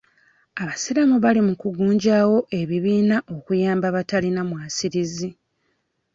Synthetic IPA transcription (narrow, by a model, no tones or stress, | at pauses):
aβasiɾamuβalimukuɡuːɲɟaːwo̞ʔe̞βiβiːnaʔo̞kujaːmbaβatalinamwaːsiɾizi